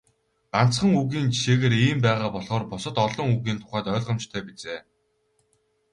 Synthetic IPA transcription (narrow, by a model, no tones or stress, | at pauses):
ɢ̥an̥t͡sχə̆ŋuɣiːnt͡ɕʰiʃeːɣeːɾiːmpæːʁaːpɔɮχɔːrpʊsɞ̆t̪ɔɮɞ̆ŋuɣiːnt̪ʰʊ̥χæːt̪œːɮʁə̆mt͡ɕt̪ʰœːpit͡seː